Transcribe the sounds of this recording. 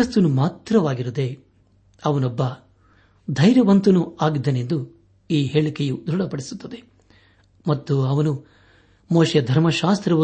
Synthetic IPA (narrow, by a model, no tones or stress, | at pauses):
ɐst̪unumaːt̪ɾɐʋaːɡiɾud̪e̞ | ɐʋɐnɔbːɐ | d̪ʱɐjɾjɐʋɐnt̪unuaːɡid̪ɐnend̪u | iːɦeːɭikejud̪ɾuɽɐpɐɽisut̪ːɐd̪e̞ | mɐt̪ːuɐʋɐnu | moːʃjɐd̪ʱɐɾmɐʃaːst̪ɾɐʋɐ